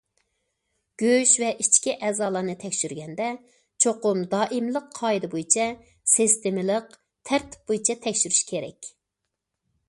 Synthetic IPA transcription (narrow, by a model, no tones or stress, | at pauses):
ɡ̥ʲøʃvɛʔit͡ʃkʲiʔɛːzɑːlˠɑnɨt̪ʰɛkʲʃyɾɡʲɛnd̪ɛ | t͡ʃʰoqʊmd̪ɑːʔimlˠəqʰːɑːjid̪ɨbojit͡ʃʰɛ | sɪst̪ɪmɪləq | t̪ʰæɾt̪ʰɪ̥p̚bojit͡ʃʰɛt̪ʰɛkʲʃyɾyʃkʲʰeɾɛ̰kʲ